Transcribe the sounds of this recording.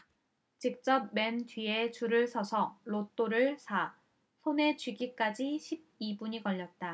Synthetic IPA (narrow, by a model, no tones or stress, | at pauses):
t͡ɕik̚t͡ɕ͈ʌp̚me̞mtɥiet͡ɕuɾɯɭsʰʌsʰʌɭot͈oɾɯɭsʰa | sʰone̞t͡ɕɥiɡik͈ad͡ʑiɕʰib̚ibuɲikʌʎːʌt̚t͈a